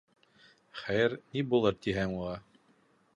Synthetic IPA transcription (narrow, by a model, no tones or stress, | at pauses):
χæjɘɾnibulˠɤɾt̪iɦæŋulˠɑ